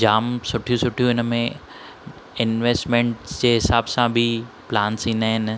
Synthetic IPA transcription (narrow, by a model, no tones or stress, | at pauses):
d͡ʑaːmsʊʈʰijũsʊʈʰijũɪnəmẽ | ɪnʋeːsʈmẽːɳʈd͡ʑeːɦɪsaːbsãbʱɪ | plaːnsĩːnd̪aɦɪn